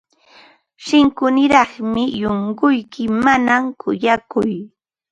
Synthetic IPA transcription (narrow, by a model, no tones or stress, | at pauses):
ʃɪŋkʊnɪɾɑχmɪjoŋɢʊjkɪmanamkʰʊjakʊj